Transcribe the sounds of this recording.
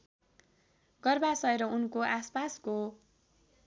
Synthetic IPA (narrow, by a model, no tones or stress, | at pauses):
ɡʌrbasʌeɾʌunkoʔaspasko